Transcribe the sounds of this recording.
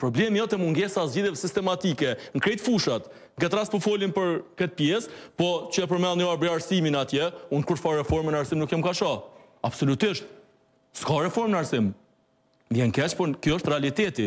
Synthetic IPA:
pɾɔblɛmijɔt̪ɛmuŋɡɛsazd͡ʑiðjɛvɛsist̪ɛmat̪ikɛŋkɾɛt̪fuʃat̪ | ŋɡɛt̪ɾaspɔfɔlinpəɾkət̪̚pjɛspɔt͡ɕəɛpəɾmɛlˠniaɾbɾiaɾsiminat̪jɛunkuɾt̪faɾrɛfɔɾmɛnaɾsimnukjamkaʃɔ | absɔlut̪iʃt̪̚ | skaɾɛfɔɾmnaɾsim | vjɛnkɛt͡ʃpɔkjɔəʃt̪rɛalit̪ɛt̪i

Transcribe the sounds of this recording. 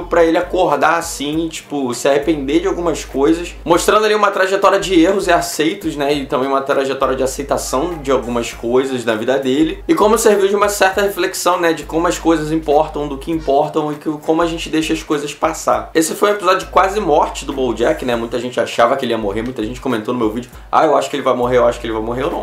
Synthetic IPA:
pɾɐelɪakoɾd̪aɾsĩt͡ʃi̥pʊsɪahepẽnd̪ed͡ʒɪawɡũmɐskojzɐsmoʃt̪ɾɐ̃nd̪ʊaliũmɐt̪ɾaʒet̪ɔɾiɐd͡ʒɪeɦʊzɪasejt̪ʊʃnɛɪt̪ɐ̃mbẽj̃umɐt̪ɾaʒet̪ɔɾiɐd͡ʒɪasejt̪asɐ̃w̃d͡ʒɪawɡũmɐskojzɐznɐvid̪ɐd̪elɪɪkõmʊseɾviwd͡ʒɪũmɐsɛɾt̪ɐhefleksɐ̃w̃nɛd͡ʒɪkõmʊɐskojzɐzĩpɔɾt̪ɐ̃w̃d̪ʊkɪĩpɔɾt̪ɐ̃w̃ɪkɪkõmʊaʒẽnt͡ʃɪd̪ejʃɐɐskojzɐspasaesɪfojũepizɔd͡ʒʊd͡ʒɪkwazɪmɔɾt͡ʃɪd̪ʊbowd͡ʒɛknɛmũj̃t̪ɐʒẽnt͡ʃɪaʃavɐkɪelɪiɐmoɦeɾmũj̃t̪ɐʒẽnt͡ʃɪ̥kõmẽnt̪onʊmewvid͡ʒʊ | a̰ewaʃʊ̥kɪelɪvajmoɦeɾewaʃʊ̥kɪelɪvajmoɦeɾnɐ̃w̃

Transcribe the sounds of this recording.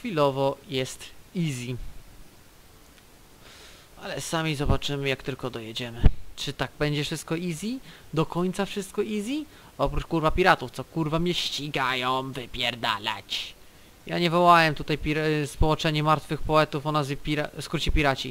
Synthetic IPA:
xfʲilɔvɔjɛst̪izʲi | alɛsamʲizɔbat͡ʂɘmɘjakt̪ɘlkɔd̪ɔjɛd͡ʑɛmɘt͡ʂɘt̪aɡ̚bɛɲd͡ʑɛfʂɘst̪̚kɔizʲid̪ɔkɔɲt̪safʂɘst̪̚kɔʔizʲi | ɔpɾut͡ʂkuɾvapʲiɾat̪uft̪sɔkuɾvamʲɲɛɕt͡ɕiɡajɔ̃w̃vɘpʲjɛɾd̪a̰la̰t͡ɕ | jaɲɛvɔwawɛmt̪ut̪ajpʲiɾspɔwɔnt͡ʂɛɲɛmaɾt̪fɘxpɔɛt̪ufɔnazvʲipʲiɾaskɾut͡ɕipʲiɾat͡ɕi

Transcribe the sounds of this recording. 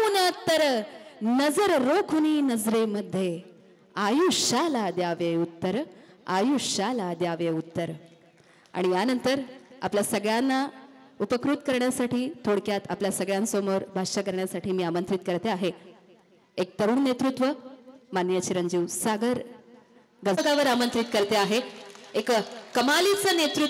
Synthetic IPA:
nat̪ːəɾnəd͡zəɾɾokʰuniːnəd͡zɾeməd̪ʱːje | ajuɕalad̪jaʋeut̪ːəɾ | ajuɕalad̪jaʋeut̪ːəɾ | a̰ɽ̃ijanənt̪əɾa̰pljasəɡɭjanːa | upəkɾut̪kəɾɳjasaʈʰiːt̪ʰoɽkjat̪apljasəɡɭjãnsomoɾbʱaʂakəɾɳjasaʈʰiːmiːamənt̪ɾit̪kəɾt̪eaɦe | ek̚t̪əɾuːɳːet̪ɾut̪ʋəmanjət͡ɕiɾənd͡ʑiʋsaɡəɾ | ɡəɡaʋəɾamənt̪ɾit̪kəɾt̪eaɦeekkəmalit͡sənet̪ɾu

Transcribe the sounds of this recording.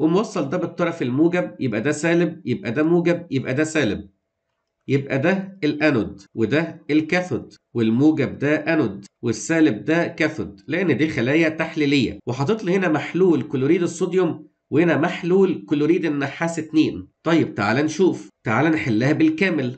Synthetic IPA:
wemowɑsˤːɑld̪æbet̪ˤːɑɾˤɑfelmuːɡæb̚jebʔæd̪æsæːleb̚jeb̚ʔæd̪æmuːɡæb̚jebʔæd̪æsæːlɪb̚ | jebʔæd̪æelʔænod̪wed̪æelkæθod̪welmuːɡæb̚d̪æʔænod̪wesːæːleb̚d̪ækæθod̪leʔenːd̪iːxælæːjæt̪aħliːlejːæ̰weħɑt̪ˤeːt̪ˤlihenæmaħluːlkolːɾiːd̪esˤːod̪jom | wehenæmaħluːlkolːoɾiːd̪enːaħːaːset̪neːnt̪ˤɑjːeb̚t̪aʕaːlænʃuːft̪aʕaːlænħelːæːhæbelkæːmel

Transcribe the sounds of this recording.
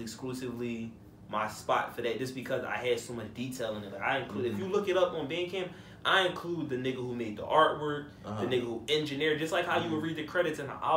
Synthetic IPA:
ɨksklusɨvli | maɪspɑ̰tfə˞ðɨt̚d̥ʒ̥ʌsb̥ɨkʰʌza̰ɪɨd̥soʊmʌt͡ʃd̥itʰeɪlˠɪ̃nɨlaɪkaɪɨ̃nkʰl̥uɾɨfjɨlʊkɨɾʌpn̩bæ̃nkʰæ̃mp̚ | ʔaɪɨ̃nkʰl̥ud̪̚ðɨnɪɡohumeɪd̪̚ðḭʔɑɹʔ̚wɜ˞k̚ | ðɨnɪɡohuɛ̃nd͡ʒɨnɪɹd͡ʒʌst̚ˡlaɪkhaʊjɨwɨd̚ɹiðɨkʰɹ̥ɛɾɨtsɨ̃nə̰ʔa̰

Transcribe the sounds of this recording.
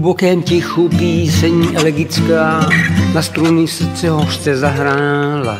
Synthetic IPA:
ubokɛːmcixupiːsɛɲiːʔɛlɛɡɪt͡skaːnast̪ɾunɪst͡sɛɦoʃt͡sɛzaɦɾaːla

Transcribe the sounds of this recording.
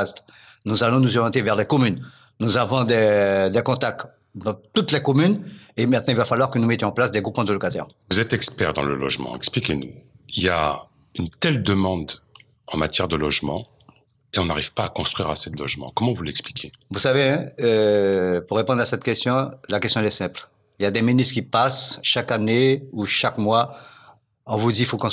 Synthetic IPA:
ast̪ | nuzalɔ̃nuzɔʁjɑ̃t̪evɛʁlɛkɔmynː | uzavɔ̃d̪ɛd̪ɛkɔ̃t̪ak̚t̪ | d̪ɑ̃t̪ut̪lɛkɔmynemɛ̃t̪nɑ̃ilvafalwaʁkənumɛt̪jɔ̃ɑ̃plasd̪ɛɡʁupmɑ̃d̪əlɔkat̪ɛ̰ːʁvuzɛt̪ɛkspɛʁd̪ɑ̃lə̰lɔ̰ʒmɑ̰̃ɛ̰ksplikʲenu | ilja̰ | ynt̪ɛld̪əmɑ̃d̪ | ɑ̃mat̪jɛʁd̪əlɔʒmɑ̰̃ | eɔ̃naʁiv̥paːkɔ̃st̪χɥiʁased̪əlɔʒmɑ̃kɔmɑ̃vulɛksplikʲʰevusaveɛ̃øpuʁːepɔ̃d̪ʁasɛt̪kʲɛst̪jɔ̃lakɛst̪jɔ̃ɛlɛsɛ̃pl | iljad̪ɛminyt̪kʲipasʃakaneuʃakmwa | ɔ̃vud̪ifokɔ̃

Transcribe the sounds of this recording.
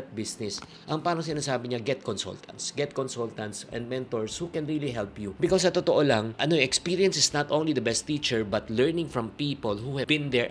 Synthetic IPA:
t̪̚bɪsnɪs | ʔɐŋpaːɾɐŋsɪnaːsaːbɪɲɐɡɛt̪̚kɔnsɔ̰lt̪ʰɐ̰̃nt̪sɡɛt̪̚kɔnsɔlt̪ɐ̃nt̪sɛ̰̃nd̪mɛ̃nt̪oɹshukɛ̃nɹiliɦɛlpjubɪkos̬ɐt̪ot̪oʔolɐŋʔɐnoʔɛkspiɹiɐ̃nsɪsnɐt̪ʔõwnlid̪ɐbɛst̪iːt͡ʃɛɹbɐt̪lɛɹnɪ̃ŋfɹɔ̃mpiːpolhuhɛbɪ̃nd̪ɛɹ

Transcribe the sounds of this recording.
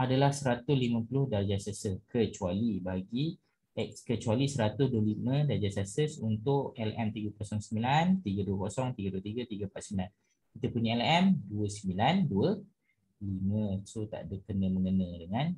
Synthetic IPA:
adalahsəɾat̪ʊslimə̃pulʊhdad͡ʒasasəkʰət͡ʃualibaɡi | ɛkskət͡ʃualisəɾat̪ʊsduəlimə̃dad͡ʒasasəsunt̪ʊʔɛlɛmt̪iɡakɔsɔŋsəmbilant̪iɡəduəkɔsɔŋt̪iɡaduət̪iɡat̪iɡəpat̪səmbilan | kit̪əpuɲaɛlɛmduəsəmbilanduə | limə̃sot̪a̰ʔdəkənə̃mə̃ŋənə̃dəŋãn

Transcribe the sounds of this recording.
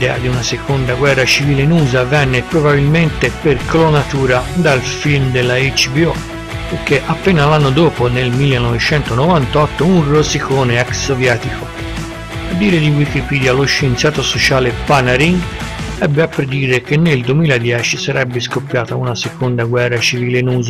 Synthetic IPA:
d̪ɛːad̪iunasekond̪aɡwɛrːat͡ʃiviːlenuːzavɛnːepɾobabilment̪eperkʰolonat̪uːɾad̪alfilmd̪elːait͡ʃbiɔ | pek̟eʔapːeːnalanːod̪oːponelmilːenɔvet͡ʃɛnt̪onovant̪ɔt̪ːounrosikoːneɛksːovjɛːt̪iko | ad̪ːiːɾed̪iwikipiːd̪jaloʃːent̪sjaːt̪osot͡ʃaːlepanaɾiŋ | ɛbːeapːɾed̪iːɾek̟enːeld̪uemiːlad̪jɛːt͡ʃisaɾɛbːeskopːjaːt̪aunasekond̪aɡwɛrːat͡ʃiviːlenuːza

